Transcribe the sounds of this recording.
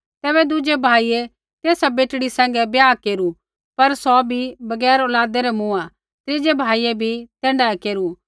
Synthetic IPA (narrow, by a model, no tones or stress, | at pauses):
t̪ɛːbɛd̪ʊd͡ʒebʱaːie | t̪eːsabeːʈɽisɛ̃ːŋ̆ɡɛbjaːkeːɾu | pɐɾsɔbʱibɐɡɛːɾɔːlaːd̪ɛɾɛmũa | t̪ɾɪd͡ʒebʱaːiebʱit̪ɛ̃ːɳɖaːɛkeːɾu